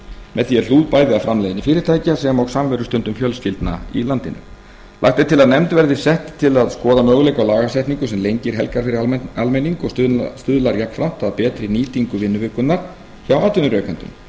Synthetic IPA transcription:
mɛðθiɛɾ̥luːðpaːjðɪafɾamlejðɪnifɪːɾɪɾ̥t̪ʰaːjcɪasɛmawɣsamvɛɾʏst̪ʏnt̪ʏmfjœlsfilt̪na̰ḭlant̪ɪnʏ̰ | la̰xt̪et̪ʰɪlaðnɛmt̪vɛɾðɪsɛht̪ɪ̥t̪ʰɪlaðskɔːðamœːɣʏlejkawlaːɣasɛht̪niŋkʏsɛmlejɲcɪɾ̥ɦɛ̰lkaɾfɪɾɪɾalmejniŋkɔsst̪ʏðlaɾjakfɾam̥t̪aðpɛːt̪ɾɪniːt̪iŋkʏvɪnːʏvʏːkʏnnaɾ̥ | çawaːt̪ʏnʏɾœːkant̪ʏ̰m

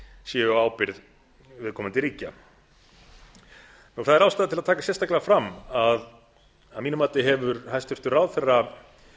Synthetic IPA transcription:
sjɛʏaaːwpɪɾð | vɪðkʰɔːmant̪ɪɾiːca | nuɣθaðɛɾawst̪aːðat̪ʰɪlaðt̪ʰaːkasjɛst̪aklɪafɾamːað | amiːnʏmaːt̪ɪɦɛvʏɾhajst̪ʏɾ̥t̪ʏraːwðθɛrːa

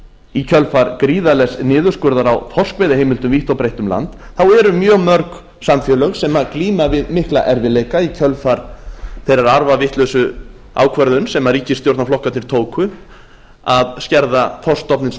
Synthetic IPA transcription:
icʰœlfaɾkɾiːðalɛsnɪːðʏskʏɾðaɾawθɔr̥skvɛːðɪɦejmɪlt̪ʏmviht̪awpɾejht̪ʏmla̰nt̪θawɛɾʏmjœːɣmœɾk | samfjɛːlœɣsɛmakliːmavɪðmɪhkla̰ʔɛɾvɪlejkaicʰœlfaɾ̥θejɾaɾaɾvavɪht̪lœsʏ | a̰ːwkʰvœɾðʏnsɛmaɾiːcɪsjowɾt̪naflɔhkat̪nɪɾ̥t̪ʰoːwkʰʏ | aðscɛɾðaθɔr̥st̪ɔpnɪns

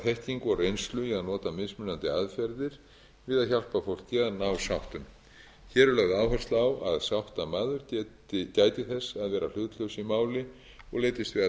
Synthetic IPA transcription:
θɛhciŋkɔrejnst̪lʏiaðnɔːt̪amɪsmʏnant̪ɪaðfɛɾðɪɾ̥ | vɪðaðçal̥pafowl̥kɛːnawsawht̪ʏm | çɛːɾɛlœɣðaːwfɛr̥st̪lawaðsawht̪amaːðʏɾc | caːjt̪ɪθɛsːaðvɛːɾal̥ʏt̪lœwsimaːwlɪ | ɔɣleːjt̪ɪst̪vɪða

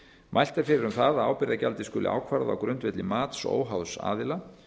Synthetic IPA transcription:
mʔajl̥t̪aɾ̥fɪːɾɪɾʏmθaðaaːwpɪɾðacalt̪ɪskʏːlɪ̰ʔa̰ːwkʰvaɾða̰wkɾʏnt̪vɛt̪lɪmaːt̪so̰ːwɦawðsa̰ːðɪla

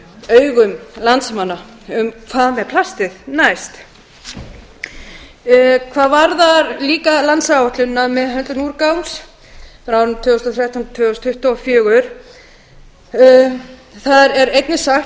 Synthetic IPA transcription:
œːɥɣʏmlant̪smanːa | ʏmkʰvaːðmɛðpʰl̥ast̪ɪðnajst̪ | kʰvaːðvaɾðaɾliːkalant̪sawɔht̪lʏnːamɛðɦœnt̪ʏnuːɾkawms | fɾawɾʏmt̪ʰʏːɣʏst̪ɔθɾjaht̪awnt̪ʰvʏɣʏst̪hʏht̪ɔɔfjʏːɣʏɾ̥ | θaðɛɾejt̪nɪsaxt̪

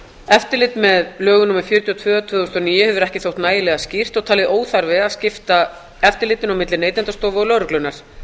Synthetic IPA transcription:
ɛft̪ɪɾlɪt̪mɛðlœːɣʏnumɛɾ̥fjʏɾt̪jɔt̪ʰvʏːat̪ʰvʏːðʏst̪ɔniːjʏhɛvʏɾɛhcɪθowht̪naːjðɪlɛɣascir̥t̪ɔɣt̪ʰaːlɪðʔoːwθaɾvɪaðscɪft̪a | ɛft̪ɪɾlɪːt̪ɪnawmɪt̪lɪneːjt̪ɛnt̪ast̪oːvɪɔlœwɾʏklʏnaɾ̥

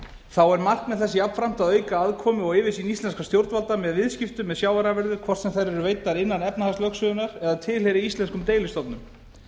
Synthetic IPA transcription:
θawɛɾmar̥kmɛðθɛsːɪapfɾam̥t̪aðœːɥkaaðkʰɔːmɪɔɣɪvɪsinist̪ɛnskast̪jowɾt̪valt̪amɛðvɪðscɪft̪ʏmːɛðsjaːwaɾavɛɾðʏkʰvɔr̥t̪sɛmθeɾɛɾʏveːjt̪aɾɪnːanɛpnahastlœksʏðʏnaɾ̥ɛðat̪ʰɪlɦejɾɪist̪lɛnskʏmt̪eːjlɪst̪ɔp̪nʏm

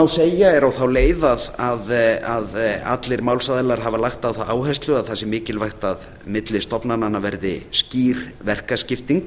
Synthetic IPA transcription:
awseːjaɛɾawθawleːjðaðaðaða̰t̪lɪɾmaːwlsaðɪlaɾ̥ɦavalaxt̪awθawaːwhɛst̪lʏaðθasɪmɪːcɪlvajxt̪að | mɪt̪lɪst̪ɔpnananːavɛɾðɪsciːɾvɛr̥kascɪft̪iŋk

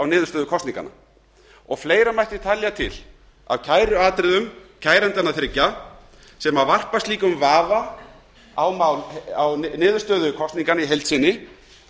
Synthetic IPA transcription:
awnɪːðʏɾ̥st̪œːðʏkʰɔst̪niŋka̰na̰ | ɔɣfleːjɾamajht̪ɪt̪ʰalːjat̪ʰɪ̰l | a̰vcʰaːjɾʏaːt̪ɾɪðʏmcʰaːjɾɛnt̪anaθɾɪcːa | sɛmavar̥past̪liːkʏmvaːva | awmawaw̪nɪːðʏɾst̪œːðʏkʰɔst̪niŋkanaiɦejlt̪sɪnːɪ

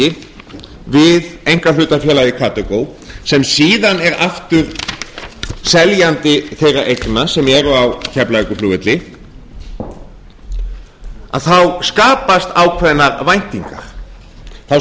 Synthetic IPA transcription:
ɪ | vɪðejŋ̥kalʏːt̪afjɛːlajɪkʰaːt̪ɛkoːw | sɛmsiːðanɛɾaft̪ʏɾ | sɛljant̪ɪθejraʔejknasɛmɛɾʏawcʰɛplaɛkʏfluːvɪt̪lɪ | a̰ðθawskaːpast̪awkʰvɛðnːaɾvajn̥t̪iŋkaɾ̥ | θaw

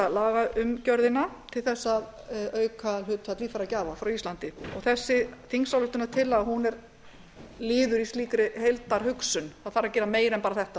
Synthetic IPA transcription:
alaːɣaʏmcœɾðɪnat̪ʰɪlθɛsːaðœːɥkʰalhʏt̪at̪liːfaɾacaːvafɾawist̪lant̪ɪɔɣθɛsːɪθiŋsawlʏht̪ʏnat̪ʰɪlaðhunɛɾ | lɪːðʏɾist̪liːkɾɪɦejlt̪aɾhʏksʏnθaðθaɾacɛːɾameːjɾɛnpaːɾaθɛht̪a

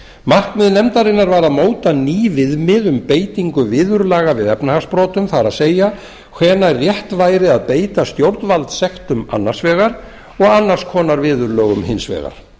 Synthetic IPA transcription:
mark̪mɪðnɛmt̪aɾɪnːaɾvaɾaðmoːwt̪aniːvɪðmɪðʏmpeːjt̪iŋkʏvɪːðʏɾlaːɣavɪðɛpnahaspɾɔːt̪ʏmθaɾaðseːja | kʰvɛːnaɛrrjɛht̪vaːjɾɪaðpeːjt̪ast̪jowɾt̪nvalt̪sɛxt̪ʏma̰nːar̥svɛːɣaɾ̥ | ɔɣanːaɾskʰɔːnaɾvɪːðʏɾlœːɣʏmhɪnsvɛ̰ːɣa̰ɾ̥

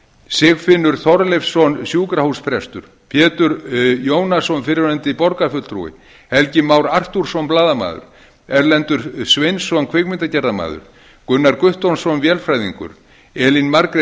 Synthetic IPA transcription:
sɪɣfɪnːʏɾ̥θɔɾlɛfsɔnsjuːkɾahuspɾɛst̪ʏɾ̥ | pʰjɛːt̪ʏɾjoːwnasɔnfɪɾɪɾɛnt̪ɪpɔɾkafʏt̪lt̪ʰɾṵɪ̰ | hɛlcɪmaːwɾar̥t̪uɾ̥sɔnplaːðama̰ːðʏ̰ɾ̥ | ɛɾlɛnt̪ʏɾ̥svejnsɔnkʰvekmɪnt̪acɛɾðama̰ːðʏ̰ɾ̥ | kʏnːaɾkʏht̪ownsɔnvjɛlfɾajðiŋkʏ̰ɾ̥ | ɛːlinmaɾkɾe

